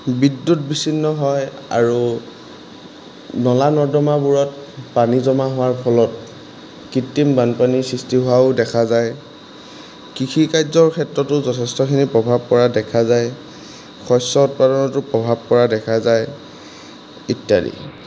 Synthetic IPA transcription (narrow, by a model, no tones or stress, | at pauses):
bidːut̚bisinːɔɦɔj | a̰ɹu | nɔlanɔdɔmabuɹɔt̚panizɔmaɦʊwaɹpʰɔlɔt̚ | kitːimbanpanisɹistiɦʊwaʊdɛkʰazaj | kikʰikajzɔɹkʰɛtɹɔtʊzɔtʰɛstɔkʰinipɹɔbʱab̚kɔɹadɛkʰazaj | xɔjsɔt̚padɔnɔtʊpɹɔbʱab̚kɔɹadɛkʰazaj | itːjadḭ